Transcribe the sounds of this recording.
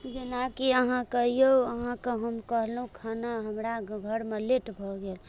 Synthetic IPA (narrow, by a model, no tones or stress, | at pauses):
d͡ʒenakiəɦãkəɦijoəɦãkəɦəmkəɦlɦũkʰanaɦəmɾaɡʱəɾmeleʈbʱɔɡel